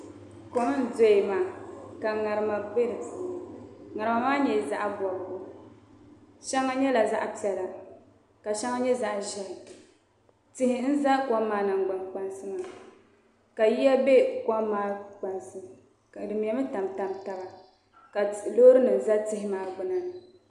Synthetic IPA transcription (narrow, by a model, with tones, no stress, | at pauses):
ko˨mɨ˦n˨zo˦i˨maː˨ka˨ŋa˨ɾɨ˨ma˨be˦dɨ˨ŋa˨ɾɨ˨ma˨maː˦ɲɛ˨za˦ʔa˦bɔ˨bʊ˨ʔʊ˦ | ʃɛ˦ŋːa˦ɲɛ˦la˨za̰˦ʔa˦pi˨ɛ˨la˨ | ka˨ʃɛ˦ŋa˦ɲɛ˦za˦ʔʒɛ˨ | tɪ˦hɪ˨n̩˦za˦kɔ˦maː˨na˨ŋ˨ɡ͡ba˨nk͡pa˦nsɨ˦maː˨ | ka˨ji˦a˦be˦kɔ˦maː˨˦k͡pa˨nsɨ˦ | dɨ˨mi˨ɛ˨mɨ˦ta˨mta˨mta˦ba˨ | ka˨lo˦ɾɨ˦nɨ˨n˨za˦tɪ˦ɦɪ˦maː˨ɡ͡bʊ˨na˨nɨ˨